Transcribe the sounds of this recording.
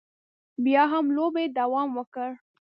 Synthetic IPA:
bjɑɦamlobed̪awɑmwəkəɽ

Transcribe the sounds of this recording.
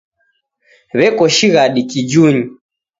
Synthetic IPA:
βɛkɔʃiɣaɗikid͡ʒuɲi

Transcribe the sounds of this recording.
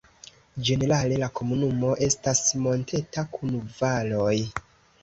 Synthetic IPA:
d͡ʒe̞ne̞ɾale̞lako̞munumo̞ʔe̞stasmo̞ntʰe̞takʰunvalo̞j

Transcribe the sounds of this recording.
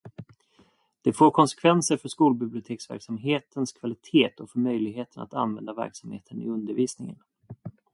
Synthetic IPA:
d̪̥ɛfoːɾkʰɔnsɛ̥kʰvɛnsəɾfœʂkuːlbɪblɪʊt̪ʰeːksvæ̰ɾksamɦeːt̪ʰənskʰvalɪt̪ʰeːt̪ʰɔfœɾmœjlɪɡɦeːt̪əna̰t̪anvɛnd̪avæ̰ɾksamhḛːt̪ʰənɪ̰ɵnd̪əɾviːsnɪŋə̰n

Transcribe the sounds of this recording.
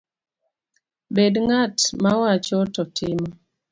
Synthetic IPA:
bedŋatmawat͡ʃɔtɔtʰɪmɔ

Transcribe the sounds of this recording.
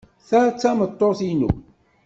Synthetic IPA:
θæt͡sːæmət̪ˤːoθinṵ

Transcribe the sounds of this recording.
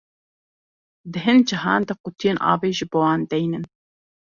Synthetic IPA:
d̪ɨɦɨnd͡ʒɪɦɑːnd̪ɐqʊt̪ʰijeːnʔɑ̰ːveːʒɨboːwɑːnd̪ɛjnɨn

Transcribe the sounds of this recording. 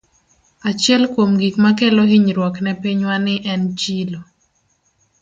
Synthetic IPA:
at͡ʃjɛlkwomɡikmakɛlɔɦiɲɾwɔknɛpiɲwanɪʔɛnt͡ʃilo

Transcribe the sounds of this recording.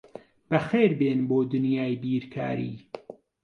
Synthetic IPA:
b̥ɐxeːɾbeːnboːd̪ʊnjaːjbiːɾkʰa̰ːɾḭː

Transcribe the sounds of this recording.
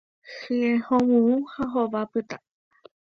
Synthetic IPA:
hɨehõwũũhaɦoβapɨt̪a

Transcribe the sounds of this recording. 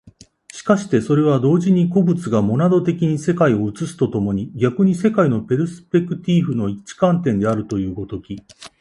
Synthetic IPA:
ɕi̥kaɕi̥t̪e̞so̞ɾe̞β̞ad̪o̞ːʑiɲ̟iko̞bɯ̟t͡sɨɡamo̞nad̪o̞t̪e̞kʲiɲ̟ise̞kaio̞ɯ̟t͡sɨsɨ̥t̪o̞t̪o̞mo̞ɲ̟iɡʲakɯ̟ɲ̟ise̞kaino̞pe̞ɾɯ̟sɨ̥pe̞kɯ̟t̪ʲiɸɯ̟no̞it͡ɕi̥kãnt̪ẽ̞nd̪e̞aɾɯ̟t̪o̞jɯ̟ːɡo̞t̪o̞kʲi

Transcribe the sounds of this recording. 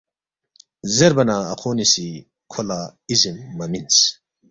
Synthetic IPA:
zeɾbɐnaɐqʰoːnisi | kʰolaizimːɐmins

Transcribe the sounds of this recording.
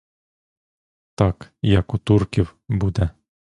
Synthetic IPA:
t̪ɑkjakut̪urkʲiwbud̪æ

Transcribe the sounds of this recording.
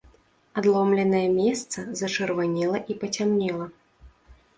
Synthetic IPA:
ad̪lˠɔmlʲɛnɐjɛmʲɛst̪sɐzɐt͡ʂɨrvanʲɛlˠɐʔipɐt͡sʲamnʲɛlˠɐ

